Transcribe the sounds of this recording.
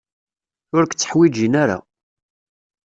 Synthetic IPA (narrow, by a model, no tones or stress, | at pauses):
ʊɾkʷt͡sːə̥ħwid͡ʒinaɾa̰